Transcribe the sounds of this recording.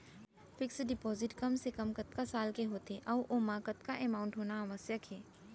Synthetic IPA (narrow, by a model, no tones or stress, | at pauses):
fɪksɖɪpɔːzɪʈkɐmsekɐmkət̪kasaːlkeɦoːt̪eʔɔːʔomaːkət̪kaʔɛːmaːʊ̃ɳʈɦoːnaɐməsjəkʰɦɛː